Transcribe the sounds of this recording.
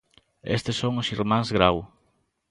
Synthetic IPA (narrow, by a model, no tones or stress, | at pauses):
ḛst̪ɪsoŋʊsiɾmãŋzɣɾaw